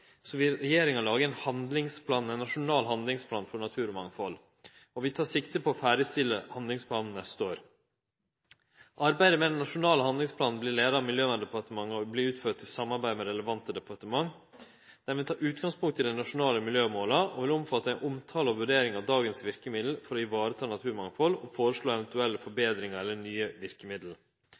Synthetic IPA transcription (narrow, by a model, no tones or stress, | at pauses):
sɔʋɪlɾɛjeːɾɪŋɑlɑːɡəæɪnhɑnd̪lɪŋspʰlɑːnæɪnːɑʂʊnɑːlɦɑnd̪lɪŋspʰlɑːnfɔɳɑt̪ʰʉːɾɔmɑŋːfɔl | ɔʋɪt̪ʰɑːʂɪkt̪əpʰɔːfæːɾəst̪ɪlːəhɑnd̪lɪŋspʰlɑːnn̩nɛst̪əoːɾ | ʔɑɾbæɪd̪əmɛd̪ɛnːɑʂʊnɑːləhɑnd̪lɪŋspʰlɑːnn̩blɪɭeːd̪əɾɑmɪljøːnəd̪ɛpɑʈ̪əmɑŋːəɔbliːʉːt̪føːʈ̚t̪ʰɪlsɑmːɑɾbæɪd̪əmɛɾɛləʋɑnt̪əd̪ɛpʰɑʈəmɑŋː | d̪̥æɾʋɪt̪ʰɑːɾʉːt̪ɡɑŋspʊŋkt̪ʰːɪld̪ɛɪnɑʂʊnɑːləmɪljøːmoːlɑɔʋɪlʊmfɑt̪ːəæɪnʔʊmt̪ʰɑːləɔʋʉɖeːɾɪŋɑʋd̪ɑːɡənsʋɪɾkəmɪd̪l̩fɔɾɔɪʋɑːɾət̪ʰɑːnɑt̪ʰʉːɾmɑŋfɔlɔfoːɾəʂɭoːɛʋənt̪ʉɛlːəfɔɾbeːd̪ɾɪŋəɾɛlːənyːəʋɪɾkəmɪd̪l̩